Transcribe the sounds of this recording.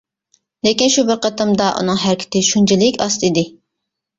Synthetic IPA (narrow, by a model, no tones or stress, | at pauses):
lekʲinʃubɪɾqʰɑt̪ʰɨmd̪ɑʔṵnɨŋɦæɾkʲʰɪ̥t̪ɪʃunt͡ʃʰɪlɪkʲɑst̪id̪ɪ